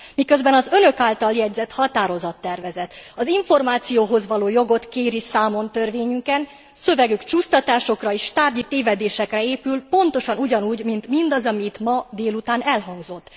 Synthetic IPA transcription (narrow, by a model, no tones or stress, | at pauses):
mikø̞zbɛnɒzø̞nø̞kaːlt̪ɒljɛɟzɛt̪hɒt̪aːɾo̞zɒt̪ːɛrvɛzɛt̪ɒziɱfo̞rmaːt̪sijoːɦo̞zʋɒloːjo̞ɡo̞t̪keːɾisaːmo̞nt̪ø̞rveːɲyŋkɛn | sø̞vɛɡykt͡ʃuːst̪ɒt̪aːʃo̞krɒeːʃt̪aːrɟit̪eːvɛd̪eːʃɛkrɛeːpylpo̞nt̪o̞ʃɒnuɟɒnuːɟmint̪mind̪ɒzɒmit̪mɒd̪eːlut̪aːnɛlɦɒŋɡzo̞t̪ː